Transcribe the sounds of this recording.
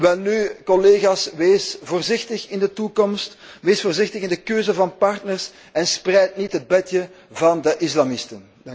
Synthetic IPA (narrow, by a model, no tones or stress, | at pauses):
ʋɛlnykɔleːɣasʋeːsvoːrzɪxtəxɪndətukɔmstʋeːsfoːrzɪxtəɣɪndəkøːzəvɑnpɑrtnərs | ɛnsprɛjtnitɦəd̚bɛtjə | vɑndəʔɪs̬lamɪstən